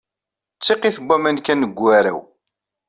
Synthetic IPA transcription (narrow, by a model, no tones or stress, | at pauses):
t͡sːiqiθəbːæmænkænːəɡʷːæɾæ̰w